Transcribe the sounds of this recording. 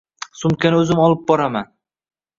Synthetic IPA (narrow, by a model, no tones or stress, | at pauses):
sʊmkʲanɵzɪmɒlˠɪp̚bɒɾaman